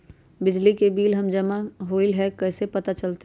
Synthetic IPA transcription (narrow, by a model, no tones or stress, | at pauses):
bɪd͡ʒlikebiːlɦɐmd͡ʒɐmaɦoːilɦɛkɛɦsepɐt̪at͡ʃɐlt̪e